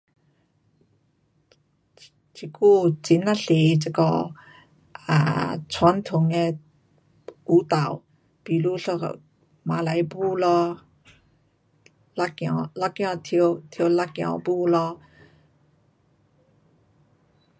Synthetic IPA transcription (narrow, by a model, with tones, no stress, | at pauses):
t͡ɕʰi˨˧˩ku˥˧˩t͡si˨˦nla˥ɬe˨˩t͡se˧kɔ˧ | a̰˨t͡sʰwa˧˥˦nt̪ʰʊ˨˩ŋɛ˧ | u˨˦t̪a˨˩˨w | pi˨lu˧ɬɔ̰˧ | ma˨˦la˨˧˦jbu˥˧lɔ˧ | la˧˥kjɔ˨˧la˧kjɔ̃˥˧t̪ʰi˧wt̪ʰi˧la˧˥kjɔ̰˨˧˩bu˥˧lɔ˧